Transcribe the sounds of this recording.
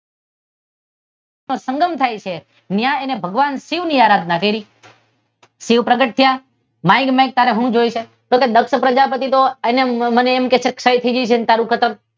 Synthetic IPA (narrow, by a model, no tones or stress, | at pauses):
nosəŋɡəmt̪ʰajt͡ʃʰe | njãenebʱəɡʋansiʋniaɾad̪ʱnakəiɾi | siʋpɾəɡəʈ̚t̪ʰja | mãjɡmajk̚t̪aɾeɦũd͡ʒojt͡ʃʰe | t̪oked̪əkʃəpɾəd͡ʒapət̪̬it̪oeneməneːmket͡ʃʰekʃəjt̪ʰəid͡ʒəjt͡ʃʰent̪aɾũkʰət̪əm